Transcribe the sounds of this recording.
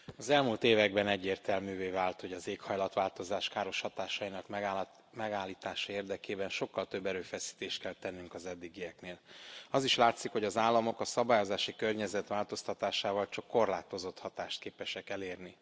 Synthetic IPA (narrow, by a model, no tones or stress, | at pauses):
ɒzɛlmult̪eːvɛɡbɛnɛɟːeːrt̪ɛlmyːveːvaːlt̪ho̞ɟɒzeːkhɒjlɒt̪ʋaːlt̪o̞zaːʃkaːɾo̞ʃhɒt̪aːʃɒinɒkmɛ | mɛɡaːlːiːt̪aːʃɒeːrd̪ɛkeːbɛnʃo̞kːɒlt̪øbːɛɾøːfɛsi̥t̪eːʃt̪̚kɛlt̪ɛnːyŋkɒzɛd̪ːiɡijɛkneːlɒziʃlaːt̪sikho̞ɟɒzaːlːɒmo̞kɒsɒbaːjo̞zaːʃikørɲɛzɛt̪ʋaːlt̪o̞st̪ɒt̪aːʃaːvɒlt͡ʃɒkːo̞rlaːt̪o̞zo̞t̪hɒt̪aːʃt̪̚keːpɛʃɛkɛleːrni